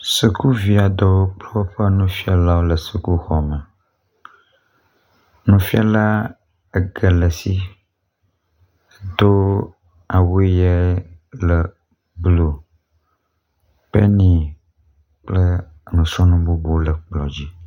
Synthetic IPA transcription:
si˨ku˦vi˨a˨d̪ɔ˨wo˦k͡plə˦wo˦ɸɛ˦nũ˦fi˦a˨la˦wo˦lə˨si˨ku˦xɔ˨mə˨ | nũ˨fi˦a˦la˦ | e˨ɡə˨lə˨si˦˨ | d̪o˦ | a˨wo˦e˦jɛ˦lə˨ | blo˨ | pe˦nĩ˨ | k͡plə˦ | nũ˨su˦nũ˦bo˦bo˦lə˨k͡plɔ˨d͡ʑi˦

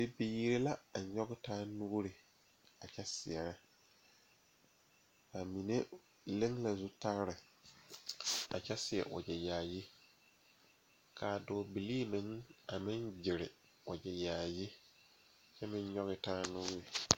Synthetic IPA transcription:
be˦bi˦ji˦ɾe˦la˦a˨ɲɔ˦ɡɪ˦tʰaː˦nu˦ɾɪ˨ | a˨t͡ʃʰɛ˦sɪ˨ɛ˨ɾa˦ | a˨mĩ˨ne˦ | le˦ŋla˨zʊ˦ta˦ɾɪ˨ | a̰˨t͡ʃʰɛ˦sɪ˨ɛ̰˨ʔɔ̰˨d͡ʒɛ˨jaː˨ji˦ | kʰaː˨dɔː˨bi˨liː˦mɪ̃˦ŋa˨mɪ̃˦nd͡ʒɪ˨ɾɪ˨ | ɔ˨d͡ʒɛ˨jaː˨ji˦˨ | t͡ʃɛ˦mɪ̃˦ɲ˦ɲɔ˦ɣɪ˦taː˦nʊ˦ɾɪ˨

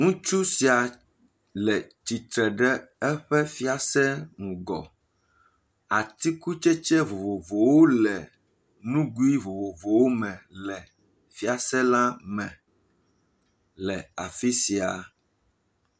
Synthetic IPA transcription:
ŋũ˦t͡ʃu˦si˨a˨ | lɛ˨t͡ʃi˨t̪ɾɛ˨ɖɛ˦ɛ˦ɸɛ˦fi˦a˨sɛ˦ŋũ˨ɡɔ̰˨ | a˨t̪i˦ku˦t͡ʃɛ˦t͡ʃɛ˦vo˨vo˨vo˨wo˦lɛ˨ | nũ˦ɡu˦i˦vo˨vo˨vo˨wo˦mɛ̃˨lɛ˨ | fi˦a˨sɛ˦la˦mɛ̃˨ | lɛ˨a˨fi˦si˨a˨

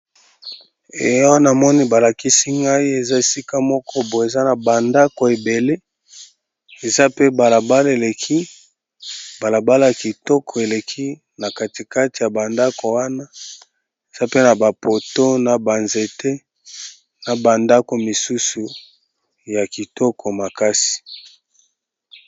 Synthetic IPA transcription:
e˨jɔ˦wna˨mɔ˦ni˦ba˨la˨ki˦si˦ŋɡa˦i˦e˨za˦e˨si˦ka˦mɔ˦kɔ˦bo˨e˨za˦na˨ba˨nda˦ko˨e˨be˨le˦ | e˨za˦pe˦ba˨la˨ba˦le˨le˨kʰi˦ | ba˨la˨ba˦la˨ja˨ki˨tɔ˦kʰɔ˨e˨le˨kʰi˦ | na˨ka˨ti˨ka˦ti˨ja˨ba˨nda˦ko˨wa˦na˦ | e˨z̥a˦pe˦na˨ba˨po˨to˦na˨ba˨nze˨tʰe˦ | na˨ba˨nda˦ko˨mi˨su˦su˨ | ja˨ki˨tɔ˦kʰɔ˨ma˨ka˦si̥˨

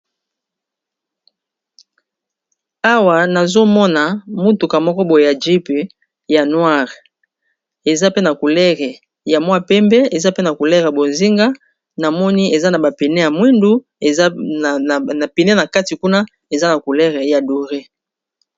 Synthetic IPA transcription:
a˦wa˨na˨zo˦mɔ˦na˨mu˦tu˨ka˨mɔ˦kɔ˦bo˨e˨ja˨d͡ʒi˦pe˨ | ja˨nwa˦ʁ | e˨za˦pe˦na˨ku˨lɛ˦ʁɛ˨ | ja˨mwa˦pɛ˦mbɛ˦e˨za˦pe˦na˨ku˨lɛ˦ʁa˨bo˨nzi˦ŋɡa˦ | na˨mɔ˦ni˦e˨za˦na˨ba˨pi˨nɛ˦ja˨mwi˦ndu˦ | e˨˦˨ | na˨pi˨nɛ˦na˨ka˦ti˨ku˦na˦ | e˨za˦na˨ku˨lɛ˦ʁe˨ja˨du˨ʁe˦

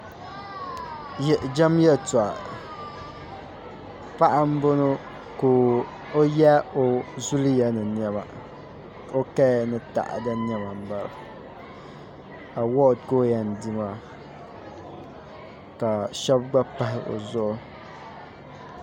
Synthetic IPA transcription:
jd͡ʒa˦mjɛ˦ta˨ | pa˦ʔa˦m˦bo˦no˦ | ko˨ | o˦jɛ˦o˦zu˦lɨ˦jɛ˦nɨ˨n˨ɛ˦ma̰˨ | o˦kɛː˦nɨ˦ta̰˨ʔa̰˨da˦n˦ɛ˦ma˨m̩˨ba˨l | a˨wɔ˦ʔtko˦ja˨n˨di˦ma˨ | ka˨ʃɛ˦bɡ͡ba˦pa˦ɦɪ˦ʔo̰˨zʊ˦ʔʊ˦

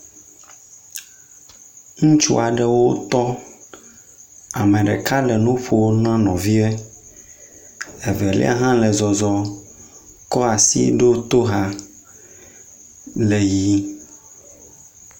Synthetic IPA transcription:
ŋũ˦t͡ʃṵ˦a˨ɖɛ˨wo˦t̪ɔ˦ | a˨mɛ̃˨ɖɛ˨ka˦lɛ˨nũ˦ɸo˨wo˦nã˦nɔ̃˨vi˦ɛ˦ | ɛ˨vɛ˨lɛ̰˦a̰˦ɦã˦lɛ˨zɔ˨zɔ˨ | kɔ˦a˨sḭ˦ɖo˦t̪o˦ɦa˦ | lɛ˨ji˦

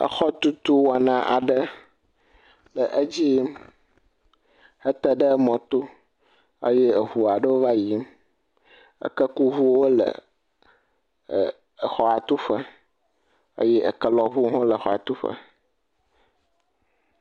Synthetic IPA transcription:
ə̰˦xɔ˦t̪u˦t̪u˦wa˨nã˨ʔa̰˨ɖə˦ | lə˨ʔə˦d͡ʑi˦m | hə˦t̪ə˦ɖə˦mɔ̃˨t̪o˦ | ə̰˦je˦ə˨ɦu˨a˨ɖə˦wo˦va˦ji˨˦m | ə̰˦kə˦ku˦ɦu˦wo˦lə̰˨ | xɔ˨a˨t̪u˦ɸə˦ | ə̰˦jɛ˦ʔə̰˨kə˦lɔ˨ɦu˦ɦɔ̃˦lə˨xɔ˨a̰˨t̪u˦ɸə̰˦

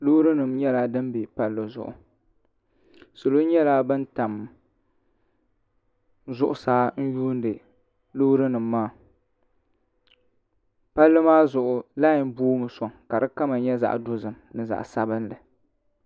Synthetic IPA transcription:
lo˦ɾɨ˦nɨ˨mɲɛ˦laː˦dɨ˦m˦be˨pa˦lːɨ˨zʊ̰˨ʔʊ̰˨ | so˨lo˦ɲɛ˦laː˦bɨ˦n˦ta˨m | zʊ˦ʔʊ˨saː˦n̩˦juː˦n˦dɨ˨ | lo˦ɾɨ˦nɨ˨mː˦aː˦˨ | pa˦lːɨ˦maː˦zʊ˨ʔʊ˨la˦jɪ˨mbuː˦m˨sɔ˨ŋka˨dɨ˦ka˦ma˨ɲɛ˦za̰˨ʔdo˦zɨ˨m | nɨ˨za̰˨ʔsa˦bɨ˦nlɨ˨

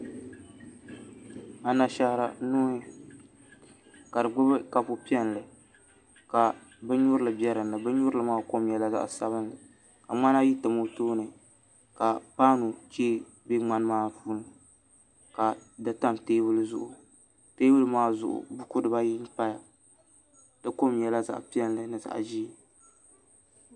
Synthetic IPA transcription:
a˨na˨ʃa˦hɾa˨nʊː˦hɪ˦ | ka˨dɨ˨ɡ͡bʊ˦bɨ˦ka˨pʊ˦pi˦ɛ˦n˨lɨ˨ | ka˨ | bɨ˦ɲʊ˦ɾɨ˦lɨ˨bɛ˦ɾɨ˨nːɨ˨bɨ˦ɲʊ˦ɾɨ˦lɨ˨˦maː˦ko˦m˦jɛ˨la˦za̰˦ʔsa˦βɨ˦nlɨ˨ | ka̰˨ŋ͡ma˦n˦a˦ji˦tɨ˨mo˦toː˦nɨ˨ | ka˨paː˦nu˨t͡ʃeː˦ | be˦ŋ͡ma˦n˦maː˦fuː˦nɨ˨ | ka˨da˨ta˦mteː˦bɨ˦lɨ˦zʊ˦˨ʔʊ˨ | teː˦bɨ˦lɨ˦maː˦zʊ̰˨ʔʊ̰˨bʊ˦kʊ˦dɨ˨ba˦ji˦n˦pa˦ja˨ | dɨ˦ko˦mjɛ˨la˦za̰˨ʔpi˦ɛ˦nlɨ˨nɨ˨za̰˨ʔʒi˦˨

